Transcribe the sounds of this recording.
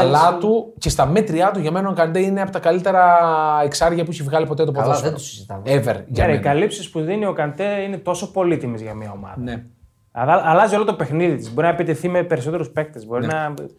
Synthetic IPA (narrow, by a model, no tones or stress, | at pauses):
lɐt̪uce̞st̪ɐme̞t̪ɾiɐt̪uʝɐme̞noŋkɐnd̪eineɐpot̪ɐkɐlit̪e̞ɾɐeksɐɾʝɐpueçivɣɐlipo̞t̪et̪opoðet̪usizit̪ɐvevḛɾʝɐɾɐikɐlipsispuðinio̞kɐnd̪einet̪o̞so̞po̞lit̪imizʝɐmiɐo̞mɐ̰ðɐ | ɐɐɐlɐzio̞lot̪o̞pe̞xniðit̪izboɾinɐepit̪eθimepe̞ɾiso̞t̪e̞ɾuspe̞k̚t̪ezbo̞ɾinɐ